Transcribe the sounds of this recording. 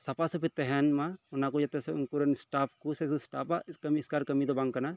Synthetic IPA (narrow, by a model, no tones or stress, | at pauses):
sɐpasɔpʰit̪ːɛɦɛnmaunakud͡ʒɐt̪ɛsɛunkuɾɐnsʈap̚kusɛs̬usʈaːpakɐmiːskaɾkɐmid̪ɔbãŋɡkɐna